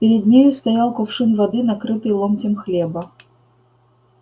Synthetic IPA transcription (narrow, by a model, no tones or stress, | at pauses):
pʲɪɾʲɪd̪̚ʲnʲijst̪ɐjalˠkʊfʂɨnvɐd̪ɨnɐkɾɨt̪ɨjlˠomʲtʲɪmxlʲebə